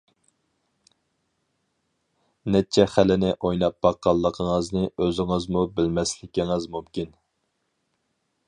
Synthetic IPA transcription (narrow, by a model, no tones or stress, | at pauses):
nɛt͡ʃʰɛχælɪnɪʔojnɑp̚b̥ɑqːɑlˠːəqʰəŋəznɨøzɪŋɨzmubɪlmɛslɪkʲiŋɨzmumkʲin